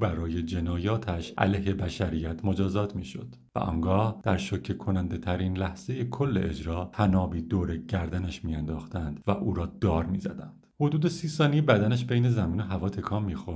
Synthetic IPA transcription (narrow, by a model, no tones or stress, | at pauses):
bæɾɒːje̞d͡ʒe̞nɒːjɒːt̪ʰæʃʔæ̰lejhe̞bæʃæɾiːjæt̪ʰmo̞d͡ʒɒːzɒːt̪ʰmiːʃo̞̰d̪̥ | væ̰ʔɒ̰ːŋɡɒːhd̪̥æɾʃocʰːekʰonænd̪e̞t̪ʰæɾiːnlæhz̥e̞jekʰo̞lːe̞̰ʔed͡ʒɾɒːhʰænɒːbiːd̪oːɾeɟæɾd̪ænæʃmiːænd̪ɒːxt̪ænd̪̥væʔuːɾɒːd̪ɒːɾmiːzæ̰d̪ænd̪̥hod̪uːd̪e̞siːsɒːnijebæd̪ænæʃbejne̞zæmiːno̞ɦævɒːt̪ʰe̞kʰɒːmːiːxo̞ɾ